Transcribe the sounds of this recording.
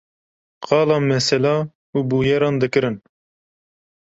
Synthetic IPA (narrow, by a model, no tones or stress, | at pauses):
qɑːlɑːnmɛsɛlɑː | uːbuːjɛɾɑːnd̪ɨkɨɾɨn